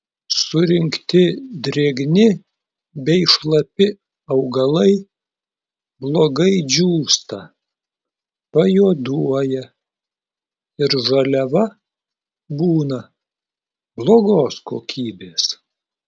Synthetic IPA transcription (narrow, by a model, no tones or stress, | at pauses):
sʊɾʲɪŋkt̪ʲɪd̪ʲɾʲeːɡnʲɪ | bʲɛɪʃlˠɐpʲɪ | ɐʊɡɐlˠɐɪ | blˠoːɡɐɪd͡ʒʲuːst̪ɐ̰ | pɐjoːd̪uɔjɛ | ɪɾʒɐlʲɛʋɐ | buːnɐ | blˠoːɡoːskoːkʲʰiːbʲeːs